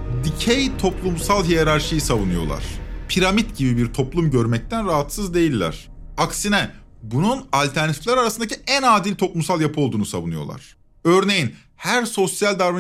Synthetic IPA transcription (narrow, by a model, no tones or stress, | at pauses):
d̪icʰejt̪ʰo̞plˠumsalˠɦijeɾaɾʃɯjɯsavunujo̞̰lˠa̰ɾ̥pʰiɾamit̪ɟibibiɾt̪ʰo̞plˠumɟø̞ɾmɛc̚t̪ʰænɾaɦat̪sɯzd̪e̞jilʲːæ̰ɾ̥aksinɛ | bununalʲt̪ʰæɾnat̪ʰiflʲæɾaɾasɯnd̪acʰiænaːd̪ilʲt̪ʰo̞plˠumsalˠjapʰɯo̞lˠd̪uːnusavunɯjo̞̰lˠa̰ɾ̥ | øɾne̞jin | hæɾso̞sjalʲd̪aɾva